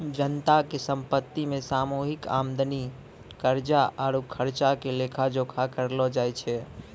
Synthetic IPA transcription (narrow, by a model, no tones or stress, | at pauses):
d͡ʒənt̪akesə̃mpət̪ːimẽsaːmuɦɪka̰md̪əni | kəɾd͡ʒaʔɔːɾukʰəɾt͡ʃakelekʰad͡ʒokʰakəɾlɔd͡ʒajt͡ʃʰɛ